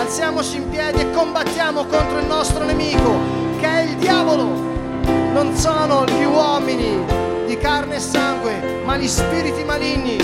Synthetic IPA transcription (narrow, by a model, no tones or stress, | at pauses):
alt̪sjaːmot͡ʃiːmpjɛːd̪iekːombat̪ːjaːmokont̪ɾoilnɔst̪ɾonemiːko | keɛild̪jaːvolo | nonsoːnoʎiwɔmini | d̪ikarneːsːaŋɡwe | maʎispiːɾit̪imalinːi